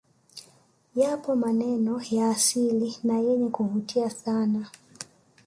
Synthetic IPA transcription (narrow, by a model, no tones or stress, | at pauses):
japɔmanɛnɔjaːsilinajɛɲɛkuhutʰiasana